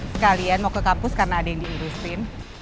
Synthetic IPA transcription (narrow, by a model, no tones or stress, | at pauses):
sə̥kalianmokəkapʊskarnaːdajaŋdiiɾusɪn